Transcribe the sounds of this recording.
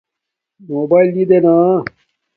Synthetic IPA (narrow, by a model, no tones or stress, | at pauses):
moːbaːild̪id̪ena